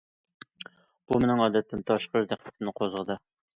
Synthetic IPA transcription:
b̥umenɪŋɑːd̪ɛt̪ʰːɪnt̪ʰɑʃqəɾd̪æqʰɛ̥t̪ʰɪmnɨqʰozʁəd̪ɨ

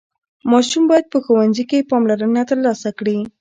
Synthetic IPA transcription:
mɑʃumbɑjad̪̚pəxowanzikepɑmlaɾənat̪əɾlɑsakɽi

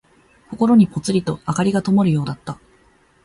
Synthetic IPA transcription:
ko̞ko̞ɾo̞ɲ̟ipo̞t͡sɨɾʲit̪o̞akaɾʲiɡat̪o̞mo̞ɾɯ̟jo̞ːd̪at̪ːa

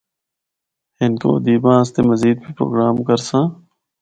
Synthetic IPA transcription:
ɪnko̰ːd̪iːbãːst̪emɐziːd̪̚pipɾo̰ːɡɾaːmkɐɾsãː

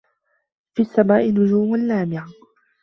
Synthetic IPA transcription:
fiːasːamaːʔɪnʊd͡ʒuːmalːaːmɪʕa

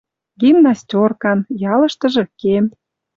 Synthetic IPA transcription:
ɡimnɑsʲtʲorkɑnjɑlɤ̆ʃt̪ɤ̆ʒɤ̆kem

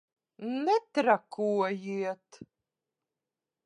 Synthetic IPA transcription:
nɛt̪ɾakuɔjiɛt̪

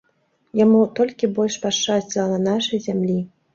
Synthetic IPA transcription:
jamut̪ɔlʲkʲibɔlʲʂpaʂt͡ʂasʲt͡sʲilˠɐnɐnaʂɐjzʲamlʲi

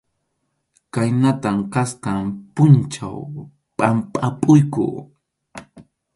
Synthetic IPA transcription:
kajnat̪amkasqɑmpʊnt͡ʃa̰w | pʼampʼapʼʊjkʊ̰

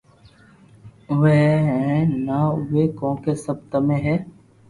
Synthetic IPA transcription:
ʋɛːɦɛ̃ːnaːʊʋeːkõːkeːsəb̚t̪əmẽːɦɛː

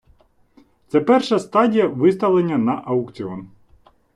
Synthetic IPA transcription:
t̪sɛpɛrʃɐst̪ɑdʲijɐʋɪst̪ɐʋlˠenʲːɐnɐʔɐwkt͡sʲiɔn

